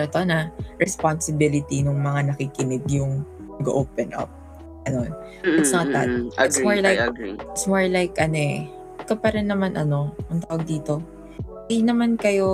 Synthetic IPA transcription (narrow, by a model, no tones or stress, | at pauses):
ɐt̪onɐɹɛsponsɪbɪlɪt̪inʊŋmɐŋanɐkikɪnɪɡjʊŋ | ɐɡʔoːpɛnʔɐ̰p̚ | ɐnon | ɐsɐŋɐt̪a̰d̪ɪt̪smoɹlajɪt̪smoɹlajkʔɐnoʔɛ | kɐpɐɾɛnːɐmanʔɐno̞ʔɐŋt̪aːwɐɡ̚d̪iːt̪o̞ | ɐjnɐmankɐjo̞